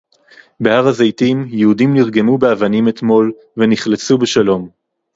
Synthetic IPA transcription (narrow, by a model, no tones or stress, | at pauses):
behaʁazejtimjehudimniʁɡe̞mubeavanime̞t̪mo̞l | veniχlet͡subeʃalo̞m